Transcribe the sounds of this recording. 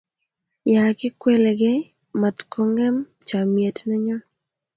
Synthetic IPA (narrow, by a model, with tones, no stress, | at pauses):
ja˨kɪ˦kwe˦le˨ɡe˦ | ma˨tkʰo˦ŋɡɛ˦mt͡ʃa˨mje˨tnɛ˦ɲɔ˦